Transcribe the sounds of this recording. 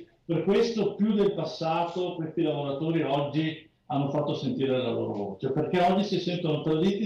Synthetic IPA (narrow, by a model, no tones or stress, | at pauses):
perkwest̪opjud̪elpasːaːt̪okwest̪ilavoɾat̪oːɾiɔd͡ʒːi | anːofat̪ːosent̪iːɾelalo̰ːɾo̰vo̰ːt͡ʃeperkɛɔd͡ʒːisisɛnt̪onot̪ɾad̪it̪ːi